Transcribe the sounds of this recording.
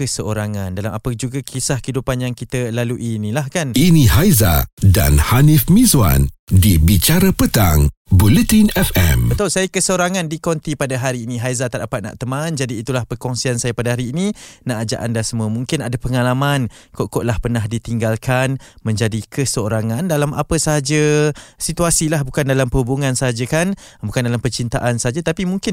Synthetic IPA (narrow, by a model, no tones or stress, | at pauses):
kəsəoɾaŋandalamapəd͡ʒuɡakʰisahkəidupanjaŋkit̪əlaluʔinĩlahkaninĩɦajza̰da̰nhanifmĩzwa̰ndibit͡ʃaɾapət̪aŋbulət̪inɛfɛ̰mbət̪ɔlsajakəsəoɾaŋandikɔnt̪ipadaɦaɾiːnĩɦajzat̪aʔdapat̪̚na̰ʔt̪əmand͡ʒadiːt̪ulahpərkɔŋsiansajapadaɦaɾiːninaʔad͡ʒa̰ʔandasəmũəmuŋkɪnadapəŋalamankoʔkoʔlahpərnaɦdit̪iŋɡalkanmə̃ɲd͡ʒadikəsəoɾaŋãndalama̰pəsəaɦad͡ʒəsit̪uasilahbukandalampəhubuŋãnsəɦad͡ʒakanbukandalampərt͡ʃint̪aʔansəɦad͡ʒat̪apimuŋkɪn